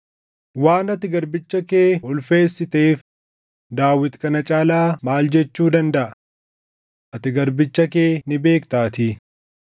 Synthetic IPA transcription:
waːnɐt̪ɪɡɐɾbɪt͡ʃːɐkeːʊlfe̞ːsːɪt̪e̞ːf | d̪aːwɪt̪kʼɐnɐt͡ʃʼaːlaːmaːld͡ʒɛt͡ʃːuːd̪ɐnd̪ɐʔɐ | ʔɐt̪ɪɡɐɾbɪt͡ʃːɐkeːnɪbe̞ːkt̪aːt̪ɪ

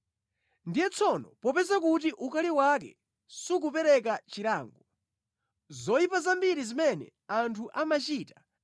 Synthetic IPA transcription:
ndijɛt͡sʰɔnɔ̰pɔpɛzakutiʔukaliwakɛ̰ | suk̬upɛɾɛk̬at͡ʃiɾaːŋɡɔ | zɔjipazambiɾizimɛnɛ̰ | antʰuʔamat͡ʃiːtḁ

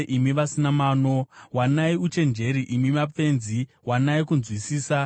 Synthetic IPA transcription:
ʔimiʋasinamaːno̞wanaiut͡ʃe̞nd͡ʒe̞ɾiʔimimap͡fe̞nzi | wanaikunzwisiːsa

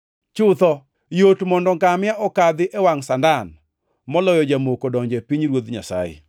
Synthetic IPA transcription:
t͡ʃʊt̪ɔ | jotmɔndɔŋɡamɪaʔɔkad̪ɪʔɛwaŋsandan | mɔlɔjɔd͡ʒamokodɔɲd͡ʒɛpiɲɾwod̪ɲasa̰jɪ̰

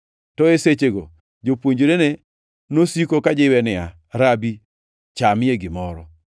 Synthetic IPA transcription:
tɔeset͡ʃeɡo | d͡ʒopwoɲd͡ʒoɾene | nosikokad͡ʒɪwɛnɪa | ɾabi | t͡ʃamɪeɡɪmɔɾɔ

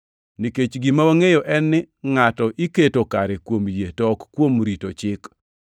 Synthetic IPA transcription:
niket͡ʃɡɪmawaŋejoʔɛnːɪ | ŋatɔʔiketokaɾekwomjetɔkkːwomɾitot͡ʃɪk

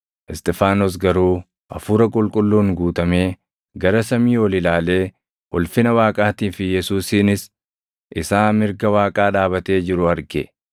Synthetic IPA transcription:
ʔɪst̪ɛfaːnɔs̬ɡɐɾuː | ʔɐ̰fuːɾɐkʼʊlkʼʊlːuːŋɡuːt̪ɐme̞ː | ɡɐɾɐsɐmiːwɔlɪlaːle̞ː | ɔlfɪnɐwaːkʼaːt̪iːfɪjɛsuːsiːnɪs | ʔɪsaːmɪɾɡɐwaːkʼaːᶑaːbɐt̪e̞ːd͡ʒɪɾʊɐɾɡɛ

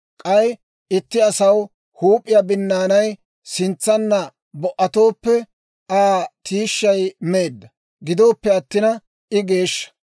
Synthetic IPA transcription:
kʼɐj | ɪt̪ːɪɐsɐw | huːpʼːɪjabɪnːaːnɐj | sɪnt͡sːɐnːɐ | bɔʔɐt̪o̞ːpːɛ | aːt̪ʰiːʃːɐjmeːd̪ːɐ | ɡɪd̪o̞ːpːɛɐt̪ːɪnɐ | ʔɪɡe̞ːʃːɐ̥

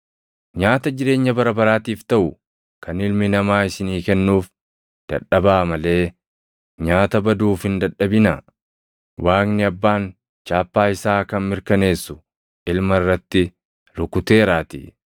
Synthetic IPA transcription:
ɲaːt̪ɐd͡ʒɪɾe̞ːɲːɐbɐɾɐbɐɾaːt̪iːft̪ɐʔʊ | kʰɐnɪlmɪnɐmaːɪsɪniːkɛnːuːf | d̪̥ɐ̰ᶑɐbaːmɐle̞ː | ɲaːt̪ɐbɐd̪uːfhɪnd̪ɐᶑːɐbɪnɐ | wʔaːknɪɐbːaːn | t͡ʃaːpːaːɪsaːkɐnmɪɾkɐne̞ːsːʊ | ʔɪlmɐrːɐt̪ːɪ | lʊkʊt̪e̞ːɾaːt̪ḭː

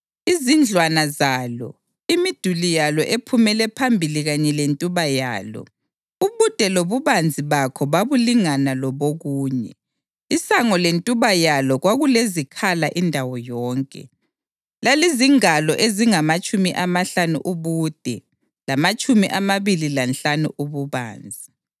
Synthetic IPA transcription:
izind͡ɮʱwanazaːlɔ̰ | imid̥ʱulijalɔʔepʰumɛlɛpʰambʱiliɣaɲɛlentʼuβaja̰ːlɔ̰ | uβud̥ʱɛloβuβand͡zʱiβakʰɔβaβuliŋanalɔβoɣuːɲɛ̰ | isaŋɔlentʼuβajalɔɣwaɣulezikʰalaʔindʱawɔjɔːŋkʼɛ̰ | laliziŋalɔʔeziŋamat͡ʃʼumiʔamaɬanṵʔuβuːd̥ʱɛ | lamat͡ʃʼumiʔamaβililanɬanṵʔuβuβa̰ːnd͡zʱi

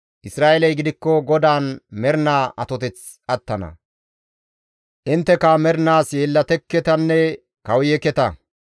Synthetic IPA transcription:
ʔɪsɾaːʔelɐjɡɪd̪ɪkːɔɡɔd̪aːnmɛɾnaːʔɐt̪ɔt̪ɛt͡s | ɐt̪ːɐnɐ̰ | ʔɪnt̪ːɛkɐmɛɾnaːsjeːlːɐt̪ɛkːɛt̪ɐnːɛ | kɐwjɛkɛt̪ɐ

